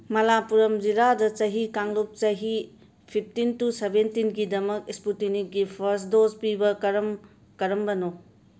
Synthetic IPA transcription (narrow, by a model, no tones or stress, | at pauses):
mɐlapuɾɐmd͡ʒiɾadɐt͡ʃɐɦikaŋlup̚t͡ʃɐɦi | pʰip̚ʰtintusebentinɡidɐmɐkisputinik̚ɡipʰɐɾsdospibɐkɐɾɐm | kɐɾɐmbɐno